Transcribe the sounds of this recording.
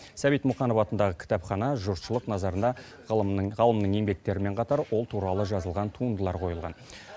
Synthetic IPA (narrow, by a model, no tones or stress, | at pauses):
sæbijt̪muχɑnofɑt̪ənd̪ɑʁəkʲʰɪ̥t̪ɑpχɑnɑʒʊɾt̪ʃəlˠəqnɑzɑɾənd̪ɑ | ʁɑlˠəmnəɴŋe̞ŋbe̞k̚t̪e̞ɾɪme̞ɴqʰɑt̪ɑɾwo̞lˠt̪ʰuɾɑlˠəʒɑzəlˠʁɑnt̪ʰuənd̪əlˠɑɾqʰo̞jəlˠʁɑ̰n